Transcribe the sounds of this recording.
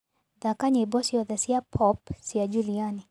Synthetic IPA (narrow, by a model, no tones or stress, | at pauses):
ðakaɲebɔsiɔðasiapʰɔpsiad͡ʒuɾiani